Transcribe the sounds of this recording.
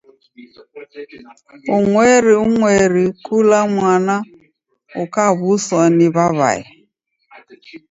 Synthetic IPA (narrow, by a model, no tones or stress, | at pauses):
ʊŋʷeɾɪʊŋʷeɾikulaŋʷana | ʊkabʊsɔnɪbaβa̰ɪ̰